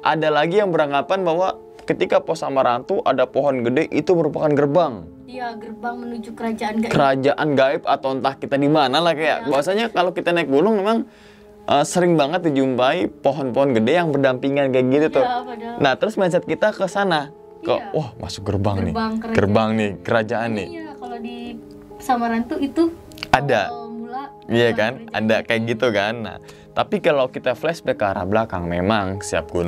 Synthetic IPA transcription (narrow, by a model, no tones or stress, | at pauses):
ʔa̰dalaɡijaŋbəɾaŋapanbawa | kət̪ikapɔsamaɾant̪uʔadapoɦɔnɡədɛʔit̪uməɾupakanɡərbaŋ | kəɾad͡ʒaʔanɡaɪp̚at̪awnt̪ahkit̪adimanalahkaja̰ʔbawasaɲakalokit̪anaik̚ɡunʊŋmemaŋ | ʔəsəɾɪŋbaŋət̪̚did͡ʒumpaipoɦɔnpɔɔnɡədɛjaŋbərdampiŋankajakɡit̪ut̪ʊnaht̪əɾʊsmaas̬at̪̚kit̪akəsana | kə̰wʔahmʔa̰sʊ̥k̚ɡərbaŋnɪ̰ɡərbaŋnɪkəɾad͡ʒaʔanːɪi | samaɾant̪uit̪u | adau | ijakana̰dakajak̚ɡit̪ukanːa̰h | t̪apikalawkit̪aflɛsbɛkːɾa̰blakaŋmemaŋsia̰p̚ɡ̥unʊŋ